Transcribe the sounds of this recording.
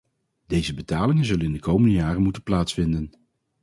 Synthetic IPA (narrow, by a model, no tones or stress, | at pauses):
dejzəbətaːlɪŋənzɵlənɪndəkowməndəjaːrənmutənplaːtsfɪndən